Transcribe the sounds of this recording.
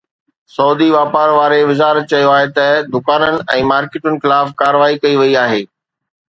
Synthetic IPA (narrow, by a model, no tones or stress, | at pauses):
sɔːd̪iʋaːpaːɾʋaːɾeʋɪzaːɾət̪̚t͡ɕɐjoaːɦet̪ɐd̪ʊkaːnənɪ̆ʔɛ̃ːmaːɾkɪʈʊnɪ̆xɪlaːfkaːɾəʋaːikɐiʋɐiaːɦeː